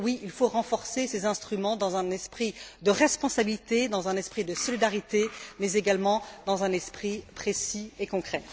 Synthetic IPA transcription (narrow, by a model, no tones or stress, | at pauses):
wiilfoʁɑ̃fɔʁsesezɛ̃st̪χymɑ̃d̪ɑ̃zɛ̃nɛspχid̪əʁɛspɔ̃sabilit̪ed̪ɑ̃zɛ̃nɛspχid̪əsɔlid̪aʁit̪emɛzeɡalmɑ̃d̪ɑ̃zɛ̃nɛspχipχesiekɔ̃kχɛ